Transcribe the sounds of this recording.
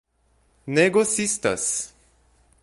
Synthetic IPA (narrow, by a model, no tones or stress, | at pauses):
neɡosist̪ɐ̰s